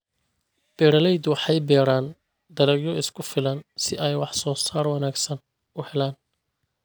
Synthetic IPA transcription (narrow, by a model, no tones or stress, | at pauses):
b̥ɛːɾɐlɛjd̪ʊwɑħɑjbɛːɾaːn | d̪ɐlɐɡjɔɪskʰʊfɪlɐnsɪʔɛjwɑħsɔːsaːrwɑnaːɡsɐn | ʊhɛlaːn